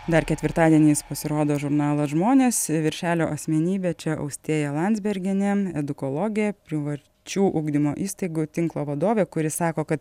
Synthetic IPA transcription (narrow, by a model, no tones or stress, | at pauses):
d̪ɐɾkʲɛt̪ʲʋʲɪɾt̪ɑːd̪ʲiɛnʲiːspɐsʲɪɾoːd̪oːʒʊɾnɑːlˠɐsʒmoːnʲeːsʋʲɪɾʲʃʲæːlʲoːʔɐsʲmʲɛnʲiːbʲɛt͡ʃʲɛʔɐ̰ʊksʲt̪ʲiːjɛlˠɑnʲdzʲbʲɛɾʲɡʲɪnʲɛɛd̪ʊkoːlˠoːɡʲɪjɛpʲɾʲɪʋɐ | t͡ʃʲuːʔʊɡd̪ʲɪmo̰ːʔiːst̪ɐɪɡʊt̪ʲɪŋklˠoːʋɐd̪oːʋʲeːkʊɾʲɪsɑːkoːkɐt̪